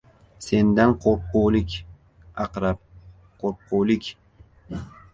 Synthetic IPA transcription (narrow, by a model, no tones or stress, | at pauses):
se̞nd̪anqʰoɾp̚qowlɪkʲ | ɑqɾap̚ | qʰoɾp̚qʰowlɪkʲ